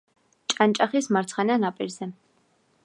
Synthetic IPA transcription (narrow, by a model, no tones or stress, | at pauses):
t͡ʃʼant͡ʃʼaχismaɾt͡sʰχɑnanapʼɛɾzɛ